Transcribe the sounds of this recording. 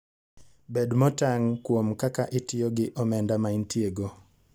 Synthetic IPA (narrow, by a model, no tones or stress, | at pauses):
bedmɔtaŋkwomkakaʔɪtɪjoɡɪʔɔmɛndamaintieɡo